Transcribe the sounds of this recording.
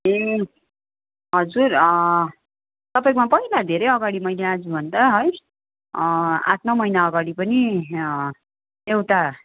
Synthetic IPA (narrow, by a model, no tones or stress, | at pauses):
e | ɦʌd͡zurʌ | t̪ʌpajkomapʌilad̪ʱeɾʌjʌɡaɽimʌjlead͡zubʱʌnd̪aɦʌj | a̰t̪̚ʰmamʌjnaʌɡaɽipʌni | ewt̪a